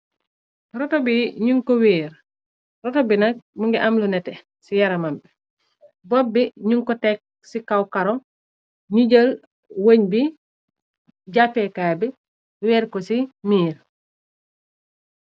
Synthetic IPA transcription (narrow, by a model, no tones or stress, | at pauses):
ɾɔtɔbiɲuŋkɔwiːɾ | rɔtɔbinɐk̚muŋɡiʔamlunɛtɛ | sijaɾɐmampi | bɔbiɲuŋkɔtɛk̚ | sikawkaɾɔ | ɲiɟəl | wəɲbi | ɟapɛkaːjbi | wɛːɾkɔsimiːɾ